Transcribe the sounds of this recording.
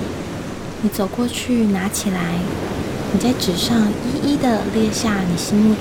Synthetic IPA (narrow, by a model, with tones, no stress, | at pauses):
ni˧˥t͡so˨˩ʊkwɔ˥˧t͡ɕʰy˥˩na˧˥t͡ɕʰi˨˩la˧˦ɪni˨˩t͡sa˥˩ɪʈ͡ʂɻ̩˨˩ʂɑ˥˧ŋi˥ʔi˥d̪ə˨ljɛ˥˧ɕja˥˩ni˨˩ɕi˥ŋmu˥˧